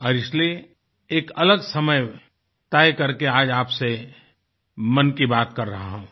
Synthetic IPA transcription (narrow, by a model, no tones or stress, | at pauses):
ɔːɾɪslie | eːkɐləɡsɐməj | t̪aːjkɐɾkeaːd͡ʒaːpse | mɐnkibaːt̪kɐɾːɐɦaɦɛ̃ː